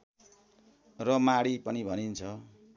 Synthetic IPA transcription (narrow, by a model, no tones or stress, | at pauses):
rʌmaɽipʌnibʱʌnint͡sʰʌ